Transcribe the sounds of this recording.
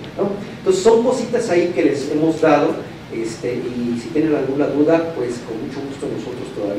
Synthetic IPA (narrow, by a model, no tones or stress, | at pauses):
nononseso̞ŋko̞sit̪asaike̞le̞se̞mo̞zd̪að̞o̞ | e̞st̪e̞ʔisit̪je̞ne̞nalɣunaðuðapwe̞sko̞nmut͡ʃo̞ɣust̪oenːo̞so̞t̪ɾo̞st̪o̞ða̰β